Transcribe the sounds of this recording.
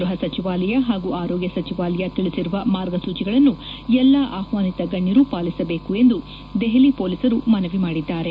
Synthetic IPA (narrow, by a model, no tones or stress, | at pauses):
ɾuɦɐsɐt͡ʃiʋaːlɐjɐɦaːɡuaːɾɔːɡjɐsɐt͡ʃiʋaːlɛjɐt̪iɭisiɾuʋɐmaːɾɡɐsuːt͡ʃiɡɐɭɐnːuɛlːaʔaːhʋaːnit̪ɐɡɐɳːiɾupaːlisɐbe̞ːkue̞nd̪u | d̪eɦelipoːlisɐɾumɐnɐʋimaːɽid̪ːaːɾe̞